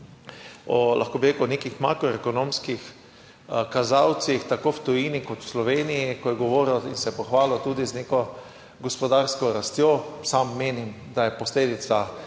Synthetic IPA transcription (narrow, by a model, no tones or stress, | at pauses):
ɔlʔa̰xkoːbiɾeːkʊnekixma̰kɾɔekɔnõmskix | kazawt̪sixt̪akowt̪ɔjinikɔt̪wslɔʋeːnijikɔjɛɡɔʋoːɾɔinsɛjɛpɔxʋaːlɔt̪uːd̪iznekɔ | ɡɔspɔd̪aɾskɔɾast̪josamːeːnim | d̪ajɛpɔsleːd̪it̪sa